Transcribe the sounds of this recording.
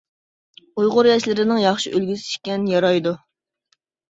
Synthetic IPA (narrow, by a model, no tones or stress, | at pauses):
ujʁʊɾjɛʃlɪɾɪnɪŋjɑχʃiʔølɡʲysɪ̥ʃkʲɛnjɑɾɑjd̪u